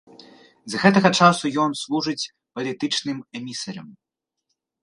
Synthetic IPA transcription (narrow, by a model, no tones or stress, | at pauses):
zɣɛt̪ɐɣɐt͡ʂasujɔnslˠuʐɨt͡sʲ | pɐlʲit̪ɨt͡ʂnɨmɛmʲisɐɾɐm